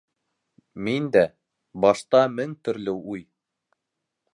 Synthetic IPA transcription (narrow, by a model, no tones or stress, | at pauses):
mind̪æ | bɑʃt̪ɑmɘŋt̪ɵ̆ɾlɘuj